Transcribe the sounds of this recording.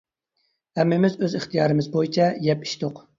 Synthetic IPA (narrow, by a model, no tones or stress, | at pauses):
hɛmːɪmɪzøzɨχt̪ijɑːɾɨmɪzbojit͡ʃʰɛjɛpi̥ʃt̪oq